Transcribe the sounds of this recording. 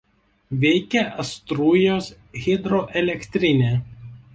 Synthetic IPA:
ʋʲɛɪkʲɛʔɐst̪ɾuːjoːs | ɣʲɪd̪ɾoʔɛlʲɛkʲt̪ʲɾʲɪnʲeː

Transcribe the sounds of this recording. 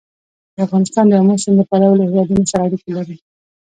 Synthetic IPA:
d̪̥əafɣɑnɪst̪ɑnd̪əjamosɪmd̪əpalawlahlɑd̪unosaɾɑɾikelaɾi

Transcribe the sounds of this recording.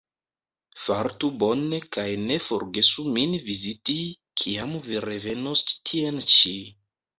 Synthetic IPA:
faɾtubo̞ne̞kajne̞fo̞ɾɡe̞suminviziti | kʰiamviɾe̞ve̞nostʰient͡ʃi

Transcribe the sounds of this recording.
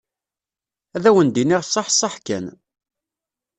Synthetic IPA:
æðæwənd̪iniʁsˤːɑħsˤːɑħkæ̰n

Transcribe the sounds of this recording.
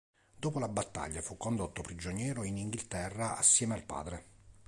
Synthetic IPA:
d̪oːpolabat̪ːa̰ʎːafukːond̪ot̪ːopɾid͡ʒonjɛːɾoiniŋɡilt̪ɛrːaa̰sːjɛːmealpa̰ːd̪ɾe

